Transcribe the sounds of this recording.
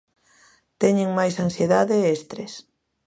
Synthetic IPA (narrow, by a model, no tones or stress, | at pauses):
t̪ɛɲeŋmajsansieðaðeest̪ɾes